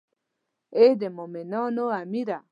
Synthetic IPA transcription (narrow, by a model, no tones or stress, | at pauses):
edemomenɔnoamiɾa